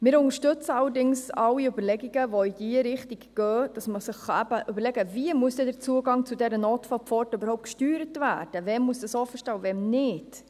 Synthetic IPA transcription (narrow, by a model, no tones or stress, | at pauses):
mɪːɾʊnŋəʃtʏt͡səɑlːəɾdɪŋsɑlːiøbəɾlɛɡiɡəvoijiəɾɪχtiɡɡ̥œːd̥ɑsməsɪχːɑæbəʔybəlɛɡəviəmuəsd̥ɛdɛɾt͡suəɡɑŋt͡sudɛɾənoːtfɔpfɔrtøbəɾhɔʊpt̚kʃtyːɾətvæːɾd̥əvɛmmuəsd̥ɑsɔfəʃtɑvɛmnɪd